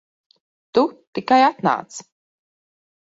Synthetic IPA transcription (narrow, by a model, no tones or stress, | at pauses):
t̪ut̪ikajat̪na̰ːt̪s